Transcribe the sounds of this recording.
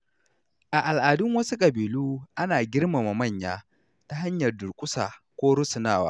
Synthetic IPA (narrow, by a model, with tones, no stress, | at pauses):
ʔa˨ʔa˨lʔaː˨dʊ˦ŋwɐ˦su˦kʼɐ˨biː˨luː˦ʔa˦naː˨ɡʲɪ˦rma˨ma˨mɐ˦˨ɲjaː˦ | ta˦ɦa˦ɲjɐ˨rdʊ˨ɾkʷʼʊ˦sa̰ː˨kʷoː˦ɽʊ˦sʊ˨naː˦˨wa̰ː˦